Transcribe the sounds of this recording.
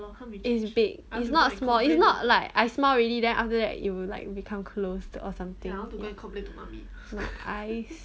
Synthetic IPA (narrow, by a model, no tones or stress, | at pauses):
itsbɪɡitsnɔtsmɔlisnɔt̚laɪkajsmalɹilidɛ̃nʔa̰ftədɛ̰tjuwila̰ɪk̚bikʰãmkʰlosɔ̰sãmt̪ɪ̃ɡkʰɔ̃plɛtːuma̰mi | maaɪs